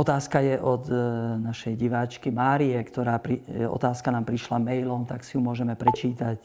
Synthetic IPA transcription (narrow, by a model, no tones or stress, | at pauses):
ɔt̪aːskajɛʔɔd̪naʃɛjɟiʋaːt͡ʃkimaːɾiɛkt̪ɔɾaːpɾiɔ̰t̪aːskanaːmpɾiʃlamɛjlɔmt̪aksijumʊɔʒɛmɛpɾɛt͡ʃiːt̪ac